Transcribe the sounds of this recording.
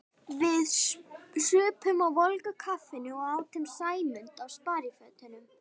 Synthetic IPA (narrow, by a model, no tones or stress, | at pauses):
vɪðsʏːpʰʏmawvɔlkʏkʰafɪnɪɔɣaːwt̪ʰɪmsaːjmʏnt̪awspaːɾjɪfœt̪ɪnʏm